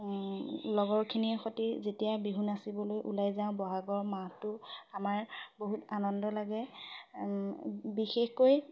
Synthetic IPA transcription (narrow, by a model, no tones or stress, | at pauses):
lɔɡɔɹkʰiniɛxotizetijabiɦunasibɔlojʔṵlajzaʊ̃bɔɦaɡɔɹmatʊamaɹboɦutanɔndɔlaɡɛ | bixexkoj